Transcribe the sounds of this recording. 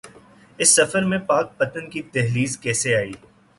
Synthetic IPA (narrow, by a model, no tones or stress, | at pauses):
ɪsːɐfəɾmẽpaːk̚pɐt̪ənkit̪ɛɦliːzkɛːseaːiː